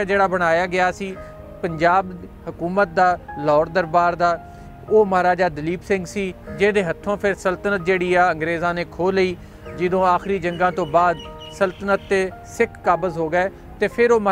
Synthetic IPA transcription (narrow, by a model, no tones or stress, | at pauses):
d͡ʒeːɽaːbəɽ̃aːjaːɡɪjaːsiː | pəɲd͡ʒaːbhʊkuːmət̪̚d̪aːlɔːɾd̪əɾbaːɾd̪aː | oːməɦaːɾaːd͡ʒaːd̪əliːpsɪ̃ŋɡsiːd͡ʒeːd̪eːɦət̪ʰːõːpʰɪɾsəlt̪ənət̪̚d͡ʒeːɽiːaːəŋɡɾeːzãːneːkʰoːliː | d͡ʒɪd̪õːaːxɾiːd͡ʒəŋɡãːt̪õːbaːd̪ | səlt̪ənət̪ːeː | sɪkʰːaːbəzɦoːɡaɛː | t̪eːpʰɪɾoːmə